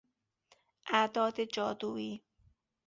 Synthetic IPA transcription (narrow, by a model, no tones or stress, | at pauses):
ʔæd̪ɒːd̪ed͡ʒɒːd̪uːiː